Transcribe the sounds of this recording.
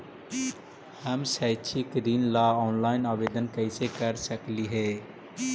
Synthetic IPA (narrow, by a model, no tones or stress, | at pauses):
həmsət͡ʃʰikɾiːnlaːɔːnlaːɪnaːʋeːd̪ənkəisekəɾsəkliɦeː